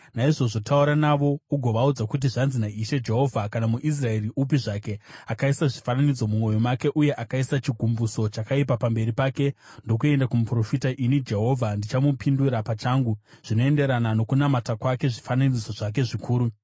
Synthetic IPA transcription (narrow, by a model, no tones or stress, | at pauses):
naiʐo̞ʐo̞tʰauɾanaʋo̞uɡʱo̞ʋaud͡zakut̬iʐanzinaiʃe̞d͡ʒe̞ɦo̞vʱakanamuʔis̬rae̞riʔupiʐake̞akaisaʐifananid͡zo̞mumo̞jomake̞ʔuje̞ʔakaisat͡ʃiɡʱumbuso̞t͡ʃakaipapambe̞ɾipaːke̞ndo̞k̬ue̞ndakumupro̞fitaʔinid͡ʒe̞ɦo̞vʱandit͡ʃamupinduɾapat͡ʃaːŋɡu | ʐ̥ino̞e̞nde̞ɾanano̞kunamatakwake̞ʐifananid͡zo̞ʐak̬e̞ʐikʰuːɾu